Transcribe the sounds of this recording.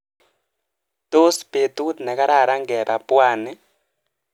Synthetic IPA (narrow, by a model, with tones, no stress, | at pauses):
t̪o˦spe˨t̪u˦t̪nɛ˨ka˦ɾa˦˨ɾa˦ŋɡɛ˨ɾa˨pʊ˦a˦˨nɪ˦